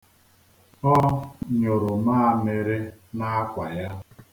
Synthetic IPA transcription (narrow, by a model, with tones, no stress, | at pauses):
ɔ˦ɲo˨ɾʊ˨maː˦a˦˨me˨ɾe˦na˦kʷa˨ja˦